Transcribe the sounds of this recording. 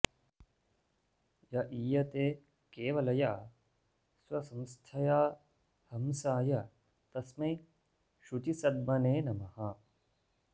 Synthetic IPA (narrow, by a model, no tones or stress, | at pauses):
jɐʔiːjɐt̪eː | keːʋɐlɐja | swɐsɐmst̪ʰɐjaː | hɐmsaːjɐ | t̪ɐsmɐj | ʃut͡ʃisɐd̪̚mɐneːnɐmɐhɐ